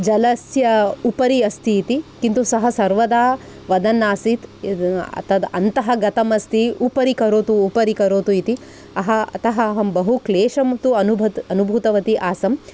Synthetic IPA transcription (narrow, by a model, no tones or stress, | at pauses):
d͡ʒɐlɐsjɐupɐɾiɐst̪ʰiːt̪ikint̪usɐɦɐsɐɾʋɐd̪aː | ʋɐd̪ɐnːaːsit̪ɐ̰t̪ɐd̪ɐ̰nt̪ɐɦɐɡɐt̪ɐmɐst̪iupɐɾikɐɾoːt̪uːpɐɾikɐɾoːt̪uit̪i | ɐɦɐɐ̰t̪ɐɦɐːɦɐmbɐɦukleːʃɐmt̪uɐnubʱɐt̪ɐnubʱut̪ɐʋɐt̪iʔaːsɐm